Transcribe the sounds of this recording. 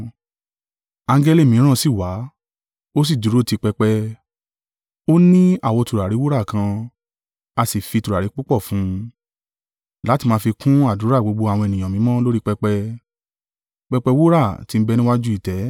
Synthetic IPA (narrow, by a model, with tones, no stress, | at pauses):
ã˧ŋ˦ɡɛ˧le˦˨mĩ˨˦ɾ̃ã˦˧si˦˨wa˨˦ | o˦s̬i˦˨du˨˦ɾo˦˨ti˧k͡pɛ˧k͡pɛ˧ | o˦nĩ˦a˦˨wɔ˧tu˨ɾa˨ɾi˨˦wu˦ɾa˦˨kã˧ | a˧si˨fi˧tu˨ɾa˨ɾi˨˦k͡pu˦k͡pɔ˦˨fũ˨˦ | la˨˦ti˧mãː˧˦fi˧kʰũ˦a˦˨du˨˦ɾa˦˨ɡ͡bo˨˧ɡ͡bo˧a˨w̃ɔ̃˧e˨nĩ˨ã˨mĩ˨˦mɔ̃˦lo˦ɾi˦k͡pɛ˧k͡pɛ˧ | k͡pɛ˧k͡pɛ˧wu˦ɾa˦˨ti˨˦m̩˦bɛ˧nĩ˦wa˦d͡ʒu˦i˦˨tɛ˨˦